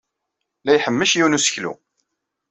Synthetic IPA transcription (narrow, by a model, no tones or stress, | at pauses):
læjħəmːəʃjuwnusə̥çlṵ